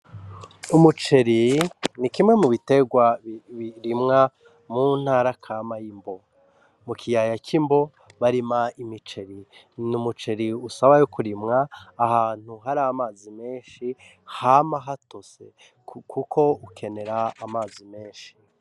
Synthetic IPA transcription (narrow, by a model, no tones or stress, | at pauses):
umut͡ʃe̞ɾinikimŋe̞muβite̞ɡwaβiɾimŋa | mun̥haːɾakʰamajimbo̞ | mukʰijajakʰimbo̞ | βaɾimaimit͡ʃe̞ɾi | numut͡ʃe̞ɾiusaβajokuɾimŋaːhaːn̥uɦaɾamaːzime̞ːnʃi | hamaɦatose̞ | kʰukʰo̞ukʰe̞ne̞ɾaːmaːzime̞ːnʃi̥